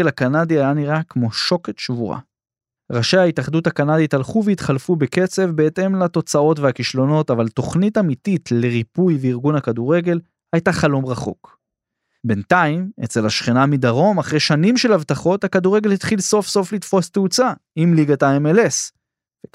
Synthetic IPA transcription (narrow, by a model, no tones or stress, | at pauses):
elakanadiajaniʁakmo̞ʃo̞ketʃvuʁa̰ | ʁaʃejhaitaχd̪uthakanaditalχuveitχalfubeke̞t͡se̞vbe̞ete̞mlat̪o̞t͡sao̞tveakiʃlo̞no̞tavalto̞χnitamititle̞ʁipujveiʁɡunhakaduʁe̞ɡe̞l | hajtaχalo̞mʁaχo̞̰k | be̞ntaime̞̰t͡se̞laʃχenamid̪aʁo̞maχʁeʃanimʃe̞lavt̪aχo̞thakaduʁeɡe̞lhit̪χilso̞fso̞flit̪fo̞st̪eut͡sa | imliɡataemele̞s | ve